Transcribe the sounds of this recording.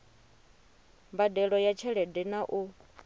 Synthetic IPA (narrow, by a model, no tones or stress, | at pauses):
mbadɛɺɔjat͡ʃʰɛɺɛdɛnaʔu